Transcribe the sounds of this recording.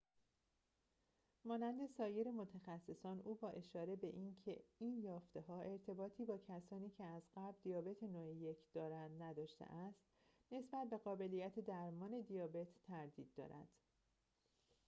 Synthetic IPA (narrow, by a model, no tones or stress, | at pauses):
mɒːnænd̪e̞sɒːje̞ɾemo̞t̪ʰæxæsːesɒːnʔuːbɒːʔe̞ʃɒːɾe̞be̞ʔiːncʰḛiːnjɒːft̪e̞ɦɒːʔe̞ɾt̪ʰe̞bɒːt̪ʰiːbɒːcʰæsɒːniːcʰeæzɢæbd̪ijɒːbe̞t̪ʰenoeje̞cʰd̪̥ɒːɾænd̪næd̪ɒːʃt̪ḛʔæst̪ | ne̞sbæt̪̚be̞ɣɒːbe̞lijæt̪ʰe̞d̪æɾmɒːne̞d̪ijɒːbe̞t̪ʰːæɾd̪iːd̪ːɒ̰ːɾæ̰d̪̥